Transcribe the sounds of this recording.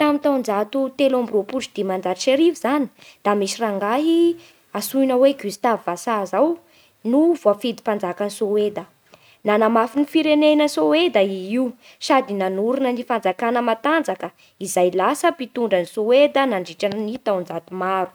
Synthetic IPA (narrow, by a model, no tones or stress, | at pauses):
t̪amit̪awnd͡zat̪ut̪elombropuʈ͡ʂid̪̥imand͡zaʃeɾivizani̥d̪̥amisiraŋɡaɦi | asujnəweɡist̪avvasazaw | nuvoafid̪i̥pand͡zakanisowed̪ə | nanamafinifiɾenenəsowed̪əiiw | sad̪inanuɾunənifand͡zakanəmat̪and͡zakə | izajlasəpit̪uɳɖ͡ʐənisowed̪ənaɳɖ͡ʐiʈ͡ʂannit̪awnd͡zat̪umaɾu̥